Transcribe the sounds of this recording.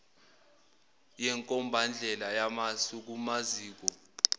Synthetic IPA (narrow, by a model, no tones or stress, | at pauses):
jɛŋkʼɔmbʱand͡ɮʱɛlajamasuk̬umaziːk̬ɔ